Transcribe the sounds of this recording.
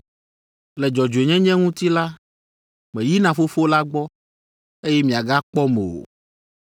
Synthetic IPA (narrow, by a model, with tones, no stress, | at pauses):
lɛ˨d͡ʒɔ˨d͡ʒu˨e˨ɲɛ̃˦ɲɛ̃˦ŋũ˦t̪i˦la˦ | mɛ̃˨ji˦nã˨fo˦fo˦la˦ɡ͡bɔ˦ | e˦jɛ˦mĩ˨a˨ɡa˦k͡pɔ˦me˨o̰˨